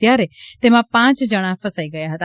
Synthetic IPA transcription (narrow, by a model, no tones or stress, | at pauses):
jaːɾet̪emãpãːt͡ʃd͡ʒəɽ̃ãfəsaːiɡəjaɦət̪a